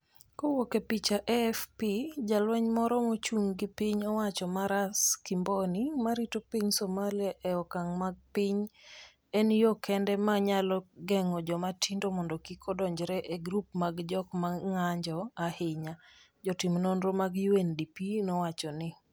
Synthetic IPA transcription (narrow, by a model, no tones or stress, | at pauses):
kowokepit͡ʃaʔɛfpid͡ʒalwɛɲmɔɾɔmot͡ʃuŋɡɪpɪɲɔwat͡ʃɔmaɾaskimbonimaɾitopiɲsomaliaʔɛɔkaŋmaɡ̚pɪɲ | ɛnjokɛndɛmaɲalɔɡɛŋɔd͡ʒɔmatindomɔndɔkikʰɔdɔɲd͡ʒɾɛʔeɡɾupmaɡd͡ʒɔkmaŋaɲd͡ʒɔahɪɲa | d͡ʒɔtɪmnɔnɾomaɡjuwendipinɔwat͡ʃɔnɪ